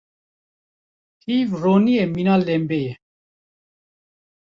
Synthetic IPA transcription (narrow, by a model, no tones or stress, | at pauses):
hiːvroːniɛminalɛmbɛjɛ